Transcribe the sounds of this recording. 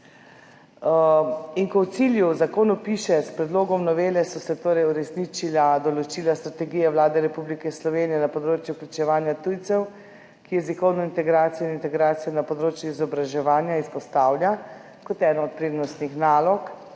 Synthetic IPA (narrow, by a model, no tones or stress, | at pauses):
iŋkɔwt̪siljuzakoːnupiʃɛspɾɛd̪loːɡɔmnɔʋeːlɛsɔsɛt̪oːɾɛjuɾɛsnit͡ʃilad̪ɔlɔt͡ʃiːlast̪ɾat̪ɛɡiːjɛʋlaːd̪ɛɾɛpublikɛslɔʋeːnijɛnapɔd̪ɾoːt͡ʃjuklʲut͡ʃɛʋaːnjat̪ujt̪sɛw | kijɛzikɔwnɔint̪ɛɡɾaːt̪sijɔinint̪ɛɡɾaːt̪sijɔnapɔd̪ɾoːt͡ʃjuizɔbɾaʒɛʋaːnjaispɔst̪aːwlʲja | kɔt̪ɛːnɔːt̪̚pɾeːd̪nɔst̪nixnaːlɔk